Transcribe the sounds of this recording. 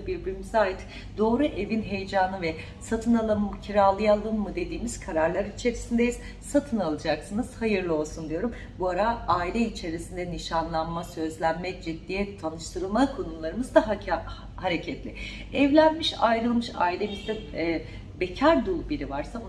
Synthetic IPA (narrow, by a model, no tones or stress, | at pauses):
abiɾbiɾimizaːjɯt̪ | d̪o̞ːɾuʔe̞vinɦe̞jd͡ʒaːnɯvɛ | sat̪ʰɯnalˠamcʰiɾaːlˠɯjalˠɯnmɯd̪e̞d̪iːmiz̥kʰaɾaɾlˠaɾit͡ʃʰe̞ɾisind̪ɛjiz̥ | sat̪ʰɯnalˠɯd͡ʒaksɯnɯz̥hajɯɾlˠɯo̞lˠsund̪ijo̞ɾum | buaɾaaːilʲɛit͡ʃʰe̞ɾisind̪ɛniʃanlˠanmasø̞zlʲænmɛd͡ʒid̪ːijɛt̪ʰanɯʃt̪ʰɯɾɯlˠmakʰo̞nulˠaɾɯmɯzd̪aɦ | haɾecʰɛt̪lʲɪ | ɛvlʲænmiʃa̰jɾɯlˠmɯʃa̰ːilʲe̞mizd̪ɛ | becʰaɾd̪ulˠbiɾivaɾsa